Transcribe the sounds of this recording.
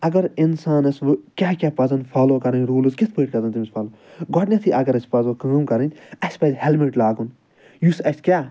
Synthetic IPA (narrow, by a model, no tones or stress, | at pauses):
ɐɡɐɾinsaːnɐsʋɨkʲaːkʲaːpɐzɐnfʰaːloːkɐɾɐnʲɾuːlɨzkit̪ʰpɨːʈkɐzɐnt̪imʲispʰaːloː | ɡɔʈnʲɐt̪ʰiʔɐɡɐɾɐsʲpɐzʋɐkãːmkɐɾɐnʲɐsʲpɐzʲhɛlmiʈlaːɡun | jusɐsʲkʲaː